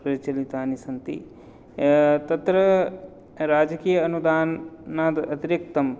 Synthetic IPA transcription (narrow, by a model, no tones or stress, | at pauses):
pɐɾit͡ʃɐlit̪aːnisɐnt̪ḭ | t̪ɐt̪ɾɐ | ɾaːd͡ʒɐkiːjɐːnud̪aːnːaːd̪ɐt̪iɾjɐk̚t̪ɐm